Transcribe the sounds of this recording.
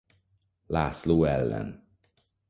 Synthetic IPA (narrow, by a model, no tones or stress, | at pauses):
la̰ːsloːɛlːɛ̰n